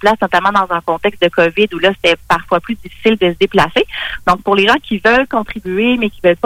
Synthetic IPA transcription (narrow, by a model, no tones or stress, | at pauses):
plasnɔt̪amɑ̃d̪ɑ̃zɛ̃kɔ̃t̪ɛkst̚d̪əkɔvɪd̪ulʌse̥t̪ɛpaʁfwaplyd͡zifi̥sɪld̪əsəd̪eplased̪̥ɔ̃k̚pʊʁleʒɑ̃kʲivœlkɔ̃t̪χibyemɛkʲivœlp